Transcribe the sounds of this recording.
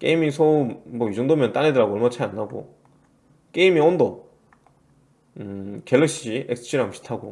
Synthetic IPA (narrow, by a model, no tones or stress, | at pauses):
k͈ḛimisʰoumːʌid͡ʑoŋdomjʌnt͈anedɯɾaɡoʌɭmat͡ɕʰaanːaɡo̰ | k͈eimiʌndʌ | ɯkelːekɕ͈iɕiʔeks͈ʰɯ̥ɕʰiɾamɕʰi̥tʰaɡo̰